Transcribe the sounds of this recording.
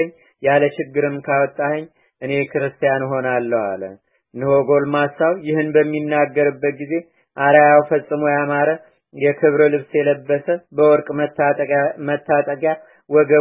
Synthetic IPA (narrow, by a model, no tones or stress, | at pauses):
ɲː | jaləʃɪɡːɨɾɨmkʰawɔt̪ʼːahəɲː | ʔɨne̞kʰɨɾɨst̪ʰijanɦo̞nalːəwa̰lə̰ | nɨhoɡo̞lmasawjɪhɨnbəmːinːaɡːəɾɨbːət̪̚ɡize̞ | ʔaɾajawfəsʼːɨmojamaɾə | jɛkʰɨβɾəlɨβsjɛləbːəsəbəwɔɾkʼ | mət̪ʰːat̪ʼəɡʼja | wɔɡə